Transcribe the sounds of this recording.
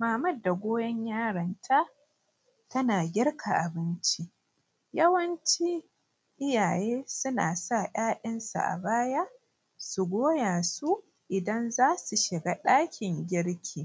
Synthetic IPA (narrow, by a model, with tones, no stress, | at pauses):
maː˨mɐ˦˨dːa˨ɡʷoː˦jɐ˦ɲjaː˦ɽɐ˨ntʰa˦ | tɐ˦naː˨ɡʲɪ˦rkʰa˨ʔa˨bɪ˦nt͡ʃi˦ | jɐ˦wɐ˦nt͡ʃi˦ | ʔɪ˦jaː˨jeː˦sʊ˦na̰ː˨sa˦˨j̰aː˦ɗɐ˦nsṵ˨ʔa̰˨baː˦ja˦ | su˨ɡʷoː˦jaː˨su˦ | ʔɪ˨dɐ˦nzaː˦su˨ʃɪ˨ɡa˦ɗaː˦kʲʰɪ˨ŋɡʲɪ˦ɽkʲʰiː˨